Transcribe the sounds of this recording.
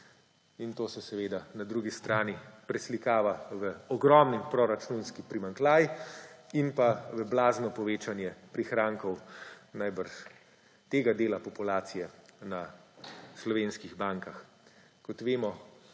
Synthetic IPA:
int̪oːsɛsɛʋeːd̪anad̪ɾuːɡist̪ɾaːnipɾɛslikaːʋaʋəɔɡɾɔmnimpɾɔɾat͡ʃunskipɾimaŋklaːj | inpaʋəblaːznɔpɔʋeːt͡ʃanjɛpɾixɾaːŋkɔwnajbəɾʃ | t̪eːɡad̪eːlapɔpulaːt̪sijɛna | slɔʋeːnskiɣbaːŋkax | kɔt̪ʋeːmɔ

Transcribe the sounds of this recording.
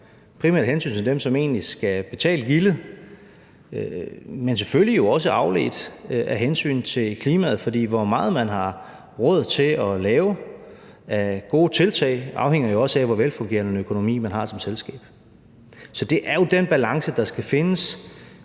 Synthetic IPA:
pʰʁimæ̰ɐd̥hensy̰ːnt͡sʰe̝ld̥emsɒ̽me̝̰ːnlisɡ̥æb̥e̝t͡sʰɛ̰ːld̥ɡ̥ilə | mens̬e̥føljijo̝ɒ̽s̬əʔɑ̈ʊle̝̰ːd̥ʔæɦensy̰ːnt͡sʰe̝lkʰliːmæð̞̩ˠfɒ̽d̥ḭːʋɒmɑ̈ːð̞̩ˠmænɦɑ̈ | ʁɔð̞̰ˠt͡sʰe̝lɒ̽lɛːʊ | æɡ̥o̝̰ːt͡sʰe̝lt͡sʰɛ̰ːɪʔɑ̈ʊheŋ̰ɐjo̝ɒ̽səæʋɒʋelfɔ̽ŋɡe̝̰ːɐnənøkʰo̝no̝mḭːmænɦɑ̈sɒ̽mselsɡ̥ɛ̰ːb̥ | sɒ̽d̥e̝ʔæɐjo̝d̥enb̥ælɑ̈ŋsəd̥ɑ̈sɡ̥æfe̝nəs

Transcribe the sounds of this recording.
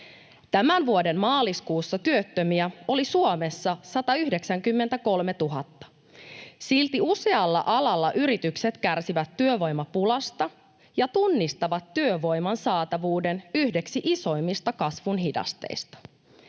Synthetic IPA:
t̪æmænʋuode̞mmɑːliskuːsːɑt̪yøt̪ːømiæo̞lisuome̞sːɑsɑt̪ɑyhdeksæŋkymːe̞nt̪æko̞lme̞t̪uɦɑt̪ːɑ̥ | silt̪iuse̞ɑlːɑ̰ʔɑlɑlːɑʔyɾit̪ykset̪kærsiʋæt̪ːyøʋo̞jmɑpulɑst̪ɑ | jɑt̪unːist̪ɑʋɑt̪ːyøʋo̞jmɑnsɑːt̪ɑʋuːdenyhde̞ksiʔiso̞jmːist̪ɑkɑsʋunɦidɑ̰st̪e̞̰jst̪ɑ̥

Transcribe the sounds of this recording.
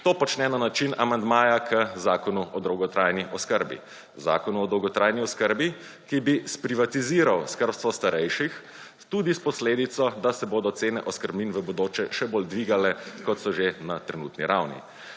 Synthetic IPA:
t̪oːpɔt͡ʃnɛnanat͡ʃinamand̪maːjakʰəzaːkɔnuɔd̪ɾɔwɡɔt̪ɾajniʔɔskəɾbḭ | za̰ːkɔnuɔd̪ɔwɡɔt̪ɾaːjniɔskəɾbi | kibispɾiʋat̪iziːɾawskəɾpst̪ʋɔst̪aɾɛjʃix | t̪uːd̪ispɔsleːd̪it̪sɔd̪asɛboːd̪ɔt̪seːnɛʔɔskəɾbminʋəbɔd̪oːt͡ʃɛʃɛboːld̪ʋiɡalɛkɔt̪sɔʒenat̪ɾɛnṵːt̪nḭɾawnḭ

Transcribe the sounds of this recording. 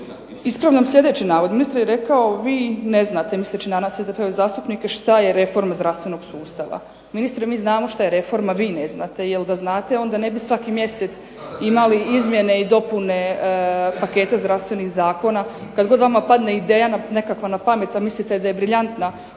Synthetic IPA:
ispɾaʋʎamslʲʎʲe̞d̪e̞t͡ɕinaːʋod̪minist̪ɾjeɾe̞kaoʋiːne̞znaːt̪e̞mislet͡ɕid̪anaːsezd̪epeʋezaːst̪upnike̞ʃt̪aje̞ɾe̞fo̞ɾmazd̪ɾafst̪ʋe̞no̞ɡ̥suːst̪aʋa̰ | minist̪ɾimiːznaːmo̞ʃt̪aje̞ɾe̞fo̞ɾmaʋiːne̞znat̪e̞jeld̪aznaːt̪e̞o̞nd̪ane̞bisʋakimje̞set̪s | imaliizmje̞ne̞id̪o̞pune̞ | pake̞ːt̪azd̪ɾafst̪ʋe̞nixzaːko̞nakad̪ɡo̞d̪ʋamapad̪ne̞id̪eːjanane̞kakʋanapame̞t̪amislit̪e̞d̪aje̞bɾiʎant̪na

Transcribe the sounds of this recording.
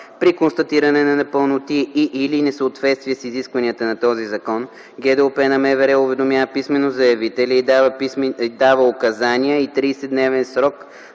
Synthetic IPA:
pɾikonst̪ɐt̪iɾɐnɛnɐnɐpəlˠnot̪iːʔːlinɛsəot̪vɛt̪st̪viɛsiziskvɐniət̪ənɐt̪ɔzizɐkɔn | ɡʲɛd̪ɛopɛnɐmɛvɛɾɛʊvɛd̪omjavəpismɛnozɐjɐvit̪ɛlʲɛid̪avəd̪avəʊkɐzaniəit̪ɾiːsɛd̪nɛvɛnsɾɔk

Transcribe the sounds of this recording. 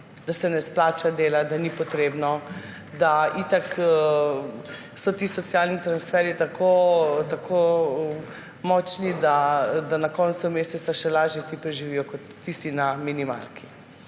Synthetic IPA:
d̪̥asɛnɛsplaːt͡ʃad̪eːlad̪anipɔt̪ɾeːbnɔ | d̪ait̪ak | sɔt̪iːsɔt̪sjalnit̪ɾansfɛɾit̪akʰot̪akʰo | mɔt͡ʃnid̪ad̪anakɔnsumeːsɛt̪saʃɛlaːʒjɛt̪ipɾɛʒiʋijɔkɔt̪ːist̪inaminima̰lki̥

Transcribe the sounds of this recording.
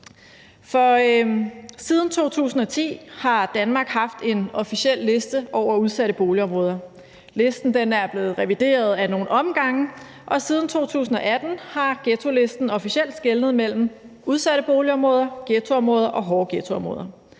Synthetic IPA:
fɒ̽ | siːð̞ˠn̩t͡sʰo̝̰ːt͡sʰṵːsn̩ɒ̽t͡sʰḭːhɑ̈d̥ænmɑ̈ːɡ̥hɑ̈fd̥e̝nɒ̽fiɕiel̰ːe̝sd̥əʔɒʊ̰ɐuðˠsæɾəb̥o̝ːliɒ̽mʁɔːðˠɐ | le̝sd̥n̩d̥enæɐb̥le̝ːð̩ˠʁɛʋid̥e̝̰ːɐð̞ˠæno̝ːn̩ɒ̽mɡ̥ɑ̈ŋə | ʔɒ̽siːð̞ˠn̩t͡sʰo̝̰ːt͡sʰṵːsn̩ɒ̽ʔæd̥n̩hɑ̈ɡ̥et͡sʰo̝le̝sd̥n̩ɒ̽fiɕel̰d̥sɡ̥elnð̩ˠmel̰m̩ | uð̞ˠsæɾ̥əb̥o̝ːliɒ̽mʁɔ̽ːð̞ˠɐɡ̥et͡sʰo̝ɒ̽mʁɔ̽ːð̞ˠɐʔɒ̽ɦɒːɡ̥et͡sʰo̝ɒ̽mʁɔ̰ːðˠɐ

